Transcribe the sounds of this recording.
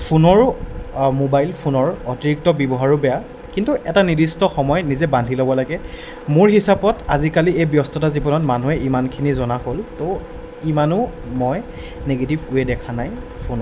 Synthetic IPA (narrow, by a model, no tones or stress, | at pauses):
pʰunɔɹ | mobajlpʰunɔɹɔtiɹik̚tɔbjɔbɔɦaɹʊbɛja | kintuʔɛtanidistɔxɔmɔjnizɛbandʱilobɔlaɡɛ | moɹhisapɔtazikaliejbjɔstɔtazibɔnɔtmanuɛimankʰinizɔnaholto | imanʊmɔj | neɡetibuɛdɛkʰanajpʰunɔ